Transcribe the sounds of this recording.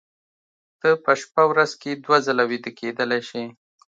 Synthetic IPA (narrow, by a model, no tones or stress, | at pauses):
t̪əpəʃpawɾazked̪wazəlawid̪əked̪əlajʃe